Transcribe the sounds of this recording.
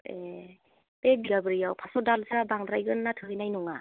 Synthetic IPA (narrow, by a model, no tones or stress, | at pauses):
e | pebiɡabɯɾijawpʰasɔdalzɯɾabaŋdɾajɡɯnnːatʰɯɦɯjnajnuŋa